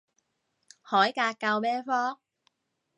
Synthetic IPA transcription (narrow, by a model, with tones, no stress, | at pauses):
hɔː˨˥jkaː˧kːa˧wmɛː˥fɔː˥ŋ